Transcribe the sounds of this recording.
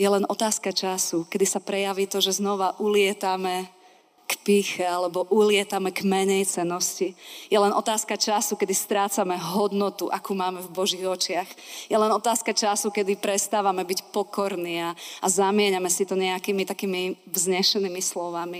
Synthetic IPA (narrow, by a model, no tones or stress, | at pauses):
jɛlɛnʔɔt̪aːskat͡ʃasukɛd̪isapɾɛjaʋit̪ɔʒɛznɔʋaʔulɪɛt̪amɛ | kpiːxɛalɛbɔʔulɪɛt̪amɛɡmɛɲɛjt͡sɛnːɔscijɛlɛnʔɔt̪aːskat͡ʃasukɛd̪ist̪ɾaːt͡samɛɦɔd̪nɔt̪uʔa̰kuːmaːmɛvbɔʒiːɣɔt͡ʃɪaxjɛlɛnɔt̪aːskat͡ʃasukɛd̪ipɾɛst̪aːʋamɛbicpɔkɔɾniːaːzamɪɛɲamɛsit̪ɔɲɛakiːmit̪akiːmi | vzɲɛʃɛniːmislɔʋami